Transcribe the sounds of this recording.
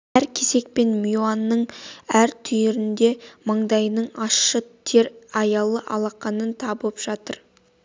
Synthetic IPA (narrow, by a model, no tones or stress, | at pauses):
æɾkʲʰese̞k̚pe̞nmjoanːəɴæɾt̪ʰʏjɪɾɪnd̪e̞mɑɴd̪ɑjnəɴɑʃːət̪ʰe̞ɾɑjɑlˠəʔɑlˠɑqɑnənt̪ʰɑbəpʒ̥ɑt̪əɾ